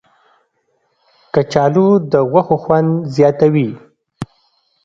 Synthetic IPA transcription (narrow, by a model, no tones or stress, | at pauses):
kət͡ʃɑlud̪əɣwaxoxwand̪zjɑt̪awi